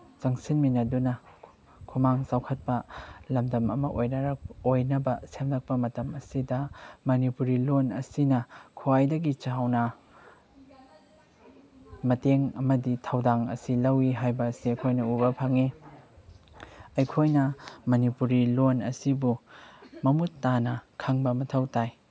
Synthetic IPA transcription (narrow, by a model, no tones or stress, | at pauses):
t͡ʃɐŋsinminɐdunɐ | kʰumaŋsawkʰɐt̚pɐlɐmdɐmɐmɐʔojnɐɾ̚ojnɐbɐsemlɐk̚pɐmɐtɐmɐsidɐmɐnipuɾilonɐ̰sinɐkʰoajdɐɡit͡ʃawnɐ | mɐteŋɐmɐditʰɐwdaŋɐ̰silɐwiɦajbɐsiɐjkʰojnɐubɐpʰɐŋi | ɐjkʰojnɐmɐnipuɾilonɐ̰sibumɐmutːanɐkʰɐŋbɐmɐtʰɐwtaj